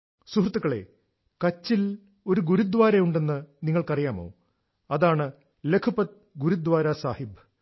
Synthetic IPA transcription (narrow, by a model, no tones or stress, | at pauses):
suɦrt̪ːukːɐɭe̞̰ | kɐt͡ɕːil | o̞ɾuɡuɾud̪ʋaːɾɐjuɳɖe̞nːɨniŋːɐɭkɐrijaːmo̞̰ː | ɐðaːɳɨ | le̞kʰupɐt̪̚ | ɡuɾud̪ʋaːɾɐsaːhib